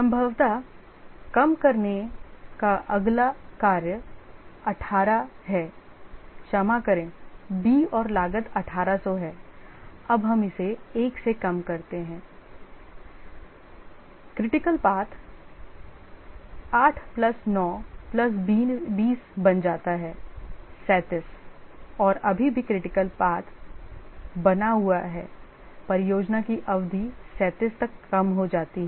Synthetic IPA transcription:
sɐ̃mbʱəʋt̪a | kɐmkɐɾnekaʔɐɡlakaːɾjəɐʈʰaːɾaɦɛː | ʃɐmakɐɾẽːbiːɔːɾlaːɡət̪ɐʈʰaːɾasɔɦɛː | ɐbɦɐmɪseeːksekɐmkɐɾt̪eɦɛ̃ː | kɾɪʈɪkəlpaːt̪ʰ | aːʈʰplɐsnɔːplɐs̬biːbiːsbɐnd͡ʒaːt̪aɦɛːsɛːt̪ɪs | ɔːɾɐbʱibʱikɾɪʈɪkəlpaːt̪ʰ | bɐnaɦuaɦɛ̰ː | pɐɾjoːd͡ʒnakiʔɐʋd̪ʱisɛːt̪ɪst̪ɐkːɐmɦod͡ʒaːt̪iɦɛɛ

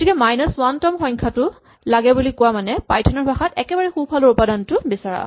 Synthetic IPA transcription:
tikɛmajnɔswantɔmxɔjŋkʰatʊ | laɡɛbulikʊwamanɛpajtʰɔnɔɹbʱaxatɛkɛbaɹɛxubːʱaloɹʊpadantʊbisaɹa̰

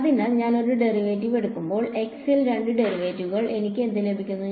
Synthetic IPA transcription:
ɐðinaːlɲaːno̞ɾuɖe̞riʋeːtːiʋe̞ɽukːumbo̞ːɭe̞ksilɾeɳɖɨɖe̞riʋeːtːuɣɐɭʔe̞nikʲːend̪ile̞bʱikʲːunːu

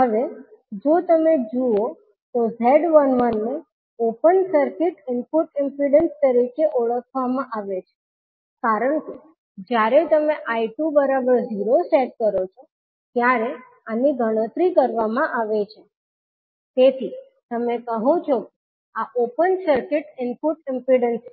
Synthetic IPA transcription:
ɦəʋed͡ʒot̪əmed͡ʒuo | t̪ozeɖʋənʋənːe | opənsəɾkɪʈɪmpuʈɪmpɾiɖenst̪əɾikeʔoɭəkʰʋamãʔaʋet͡ʃʰe̥ | kaɾəɳke | d͡ʒjaɾet̪əmeʔaiʈubəɾabəɾziɾoseʈ̚kəɾot͡ʃʰo | t̪jaɾe | aniɡʱəɽ̃ət̪ɾikəɾʋamãʔaʋet͡ʃʰe | t̪et̪ʰi | t̪əmekəɦũt͡ʃʰoke | aʔopənsəɾkɪʈɪmpuʈɪmpɾiɖəns

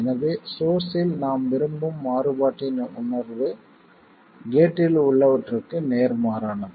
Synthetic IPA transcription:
ɛnɐʋeːsoːsɪlnaːmʋɪɾɯmbɯmːaːɾɯbaːʈːɪnʊnɐɾʋɯ | ɡeːʈːɪlʊɭːɐʋɐʈrɯkːɯneːɾmaːɾaːɳɐm

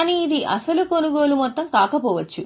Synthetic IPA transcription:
niːd̪iʔɐ̰sɐlukonuɡoːlumɔt̪ːɐmkaːkɐpɔːʋɐt͡ʃːu

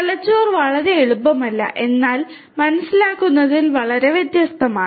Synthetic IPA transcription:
ɐlɐt͡ɕːoːrʋɐɭɐɾeeɻupːɐmɐlːɐ̰ʔe̞nːaːl | mɐnɐsːilaːkːunːɐðilʋɐɭɐɾe̞ʋjet̪jɐst̪ʰɐmaːɳ

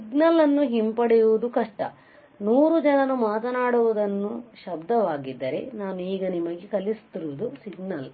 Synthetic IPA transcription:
siɡnɐlɐnːuɦimpɐɽɛjuʋud̪ukɐʂʈɐ̰ | nuːɾud͡ʒɐnɐnumaːt̪ɐnaːɽuʋud̪ɐnːuʃɐbd̪ɐʋaːɡid̪ːɐɾe̞̰naːnuiːɡɐnimɐɡekɐlist̪iɾuʋud̪usiɡnɐl

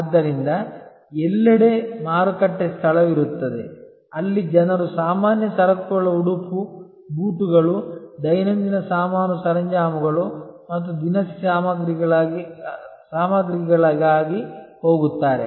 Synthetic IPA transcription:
ɐd̪ːɐɾind̪ɐ | ɛlːɐɽemaːɾukɐʈːest̪ʰɐlɐʋiɾut̪ːɐd̪ḛ | ɐlːid͡ʒɐnɐɾusaːmaːnjɐsɐɾɐkuɭɐuɽupu | buːʈuɡɐɭud̪ɐjnɐnd̪inɐsaːmaːnusɐɾɐɲd͡ʒaːmuɡɐɭumɐt̪ːud̪inɐssaːmɐɡɾiɭ | saːmɐɡɾikɐɡɐɭɐɡaːɡiho̞ːɡut̪ːaːɾḛ

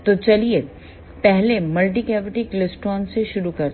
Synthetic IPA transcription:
t̪ot͡ʃɐlie | pɛɦlemɐlʈ̬ikɛːʋɪʈiklɪsʈɔːnseʃʊɾukɐɾt̪

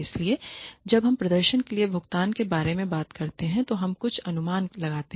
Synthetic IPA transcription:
ɪslied͡ʒɐbɦɐmpɾɐd̪əɾʃənkeliebʱʊkt̪aːnkebaːɾemẽbaːt̪kɐɾt̪eɦɛ̃t̪oɦɐmkʊt͡ʃʰɐnʊmaːnlɐɡaːt̪e

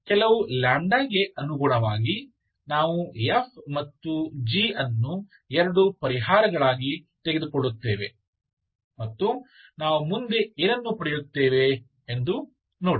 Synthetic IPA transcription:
kɛlɐʋulaːɳɖaːɡe̞ʔɐnuɡuɳɐʋaːɡi | naːʋuef̚ʰmɐt̪ːud͡ʒiɐnːu | ɛɾɐɽupɐɾiɦaːɾɐɡɐɭaːɡi | t̪eɡed̪ukoɭːut̪ːeːʋe̞̰ | mɐt̪ːu | naːʋumund̪e̞iɾɐnːupɐɾijut̪ːeːʋe̞ː | nd̪u | noːɽi

